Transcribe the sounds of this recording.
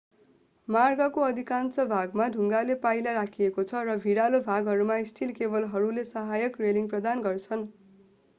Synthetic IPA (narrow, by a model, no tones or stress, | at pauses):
marɡʌkoʌd̪ʱikansʌbʱaɡmadʱuŋɡalepajlaɾakʰiekot͡sʰʌrʌbʱiɽalobʱaɡɦʌɾumaisʈʰilkebʌlɦʌɾulesʌɦajʌkreliŋprʌd̪anɡʌrt͡sʰʌn